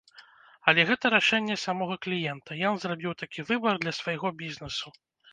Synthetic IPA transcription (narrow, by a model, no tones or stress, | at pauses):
ɐlʲɛɣɛt̪ɐɾaʂɛnʲːɛsamɔɣɐklʲijɛnt̪ɐjɔnzrabʲiwt̪akʲivɨbɐrd̪lʲɐsvajɣɔbʲiznɛsu